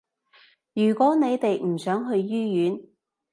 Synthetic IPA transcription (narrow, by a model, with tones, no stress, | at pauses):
jyː˨˩kʷɔː˨˥ne˨˧jt̪e˨jm̩˨˩sœː˨˥ŋɦɵ˧ɥjyː˥jyː˨˥n